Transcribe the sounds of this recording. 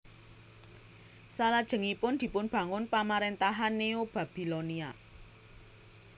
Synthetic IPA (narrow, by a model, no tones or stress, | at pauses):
salad̥ʒ̥ə̤ŋipʊnd̪̥i̤pʊnb̥ä̤ŋʊnpamaɾent̪aɦanːeob̥a̤b̥i̤lonia